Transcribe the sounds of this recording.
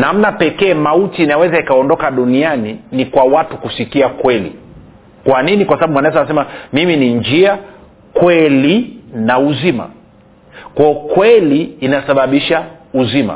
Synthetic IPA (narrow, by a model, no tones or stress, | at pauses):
nam̩napɛkɛːmautiːnawɛzaikaɔndɔkaɗunianinikwawatukusikiakwɛlḭ | kwaninikwasaɓaɓumwanaɛs̬anas̬ɛmamiminind͡ʒia | kwɛlinauzima̰ | kakwɛliːnasaɓaɓiʃauzima̰